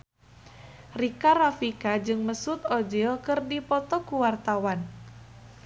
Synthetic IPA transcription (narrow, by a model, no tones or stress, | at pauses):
rikarafikad͡ʒɨŋməsʊt̪ɔd͡ʒilkɨrdipɔt̪ɔkuwart̪awan